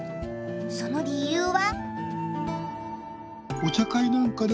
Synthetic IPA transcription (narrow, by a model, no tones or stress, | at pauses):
so̞no̞ɾʲijɯːβa | ot̪akainãŋkad̪e